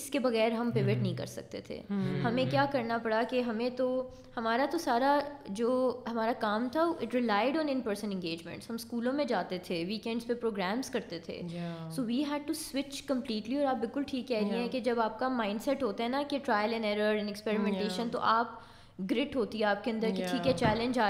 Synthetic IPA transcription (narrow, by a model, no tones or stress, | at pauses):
ɪskebɐɣɛːɾɦɐmpɾɪʋeʈnɐɦĩkɐ̰ɾsɐ̰k̚t̪ḛt̪ʰḛːhɐmẽkjaːkɐɾnapɐɽakeɦɐmẽt̪o | hɐmaːɾat̪osaːɾad͡ʒoːɦɐmaːɾakaːmt̪ʰaʔɪʈɾɪlaːɪɖɔ̃ːnɪ̃npəɾsə̃nɛ̃nɡeːd͡ʒmɛ̰̃ɳʈshɦɐ̃mskuːlõmẽd͡ʒaːt̪et̪ʰeʋiːkɛ̃ɳɖspepɾoːɡɾæ̃ːmzkɐɾt̪et̪ʰḛːsoːʋiːɦɛːɖ̚ʈuswɪt͡ʃkɐ̃mpliːʈliɔːɾaːp̚bɪlkʊlʈʰiːkːɛɦɾiẽɦɛ̃ked͡ʒɐbaːp̚kamãːɪ̃ɳɖsɛʈɦoːt̪aɦɛnakeʈɾaːjəlɪ̃nɛːɾəɾɪ̃nɛkspɛːɾɪmɛ̃ɳʈeːʃə̃nt̪o̰ʔaːp̚ | ɡɾɪʈɦoːt̪iɦɛaːp̚keɐ̃nd̪əɾkiiːkɦɛt͡ʃɛːlɛ̃ɲd͡ʒaː